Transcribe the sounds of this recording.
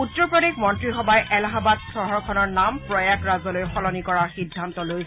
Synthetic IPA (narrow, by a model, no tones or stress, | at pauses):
utːɹɔpɹɔdik̚mɔntɹixɔbajʔɛlaɦabadsɔɦɔɹkʰɔnɔɹnampɹɔjakɹazɔlojxɔlɔnikɔɹaxidʱːantɔloj